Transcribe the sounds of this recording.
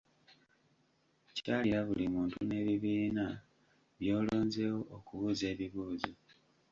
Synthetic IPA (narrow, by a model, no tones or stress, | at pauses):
caːliɾaβulimuːntune̞ːβiβiːna | βjo̞ːlo̞ːnze̞wo̞ʔokuβuːze̞ːβiβuːzi